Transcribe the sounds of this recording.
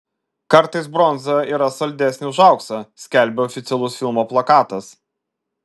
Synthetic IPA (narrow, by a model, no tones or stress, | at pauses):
kɐɾˑt̪ɐɪsbɾɔnzɐiːɾɐsɐlʲd̪ʲæsʲnʲɪʊʒɑˑʊksɐsʲkʲæˑlʲbʲeɔfʲɪt̪sʲɛlˠʊsfʲɪlˠmoːplˠɐkɑːt̪ɐs